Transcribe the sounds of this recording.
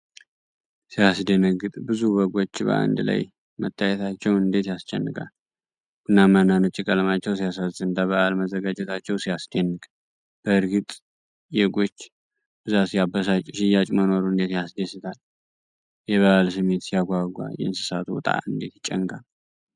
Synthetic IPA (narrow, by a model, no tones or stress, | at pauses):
sijasd̪enəɡɨt̪ʼbɨzuβəɡo̞t͡ʃːbə̰a̰nd̪la̰j | mət̪ʰːajɛt̪ʰat͡ʃːɛwɨnd̪e̞t̪jast͡ʃːɛ̰nːɨkʼa̰l | ɡunːamənanɨt͡ʃʼːɪkʼələmat͡ʃːɛws̬ijasasɨnd̪aβəʔalməzəɡad͡ʒɛt̪ʰat͡ʃːɛwsijasd̪enːɨkʼ | b̥əhɨɾɡɨt̪ʼ | jɛɡʷo̞t͡ʃː | b̥ɨzasijabːəsat͡ʃʼʃɪjat͡ʃʼməno̞ɾuɨnd̪e̞t̪jasd̪esɨt̪ʰal | jɛβəʔalsɨme̞t̪sijaɡʷaɡʷa̰jɛɨnsɨsat̪ʰuwt̪ʼa̰ɨnd̪e̞̰t̪jɪt͡ʃʼːɛŋɡʼal